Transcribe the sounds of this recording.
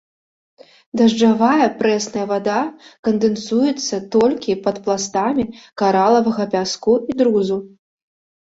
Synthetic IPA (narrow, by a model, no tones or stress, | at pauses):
d̪ɐʐd͡ʐavajɐpɾɛsnɐjɐvad̪akɐnd̪ɨnsujɛt̪sːɐt̪ɔlʲkʲipɐt̪plˠast̪amʲikaɾalˠɐvɐɣɐpʲaskuid̪ɾuzu